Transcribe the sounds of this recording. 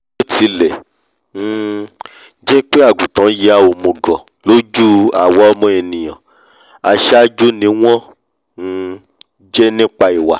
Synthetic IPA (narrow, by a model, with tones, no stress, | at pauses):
o˦ti˨˦lɛ˨ | n̩˦˧ | d͡ʒɛ˦k͡pe˦a˦˨ɡ͡bu˨tã˨˦je˨˦a˦˨o˨˧mõ˨ɡɔ̃˨ | lo˦d͡ʒu˦a̰˨wɔ˨˦ɔ˦mɔ̃˧˦e˧nĩ˨j̃ã˨ | a˧ʃɛ˦a˦d͡ʒu˦nĩ˨˦w̃ɔ̃˦ | n̩˦˧ | d͡ʒɛ˦nĩ˦k͡pa˧i˨wa̰˨